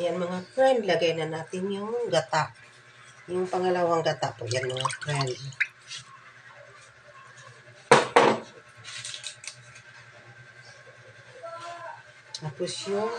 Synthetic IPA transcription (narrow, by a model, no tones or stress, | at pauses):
janmaŋakɾand̪laɡajnanaːt̪ɪnjʊŋɡat̪aʔ | jʊŋpaŋalawaŋɡat̪aʔpoʔjanmaŋakɾan | apʊsjo